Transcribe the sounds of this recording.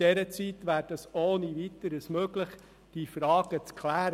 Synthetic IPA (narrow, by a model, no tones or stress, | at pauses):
ɛɾət͡sit̪ʋæːɾd̥ɑsoːniʋit̪əɾəsmøːɡləχ | d̥ifɾɑːɡ̥ət͡skʰlæːɾ